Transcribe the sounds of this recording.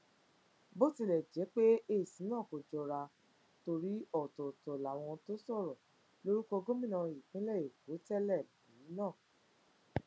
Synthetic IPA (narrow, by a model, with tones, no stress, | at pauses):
bo˦ti˧˨lɛ˨d͡ʒɛ˨˦k͡pe˦e˦˨sĩ˨˦nãː˦˨ko˨d͡ʒɔ˧ɾa˧ | to˧ɾi˦ɔ˦˨tɔ˨tɔ˨la˨w̃ɔ̃˧to˦sɔ˦˨ɾɔ˨ | lo˦ɾu˦kɔ˧ɡo˦mĩ˦˨nã˧˨i˨k͡pĩ˨˦lɛ˦˨ji˨ko˨˦tɛ˦lɛ˦˨bĩ˨˦ĩ˦nãː˦˨